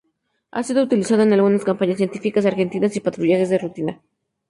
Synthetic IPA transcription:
a̰sið̞out̪ilisað̞oenalɣunaskampaɲas̬je̞nt̪ifikas̬aɾxe̞nt̪inasipat̪ɾuʝaxe̞zðerut̪ina

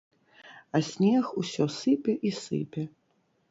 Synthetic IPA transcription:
ɐsʲnʲɛxusʲɔsɨpʲɛʔisɨ̰pʲɛ

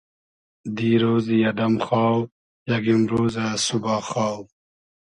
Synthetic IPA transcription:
d̪iːɾoːzijɐd̪ɐmχaːw | jaɡimɾoːzasubaːxaːw

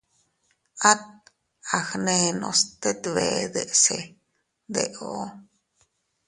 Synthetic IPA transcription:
at̪̚ | axneno̰st̪et̪βed̪eʔse | d̪eʔo

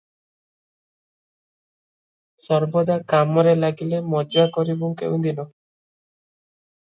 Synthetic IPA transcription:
sɔɾbɔd̪akamɔɾelaɡilemɔd͡ʒakɔɾibukḛũd̪inɔ

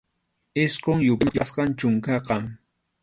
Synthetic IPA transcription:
ɪsqoŋjʊasqɑnt͡ʃʊŋkɑqɑŋ

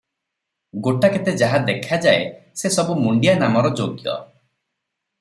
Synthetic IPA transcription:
ɡoʈaket̪ed͡ʒaɦad̪ekʰad͡ʒaesesɔbumuɳɖijanamɔɾɔd͡ʒoɡjɔ̰

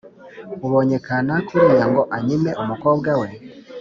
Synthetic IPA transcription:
uβoɲekanakʰoɾjaŋɡoʔaɲimeʔumukoːbɡawe

